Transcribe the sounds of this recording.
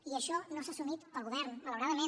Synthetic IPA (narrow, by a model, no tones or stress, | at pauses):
iəʃɔnosasumit̪əlɣuβ̞ɛɾnmələwɾaðəme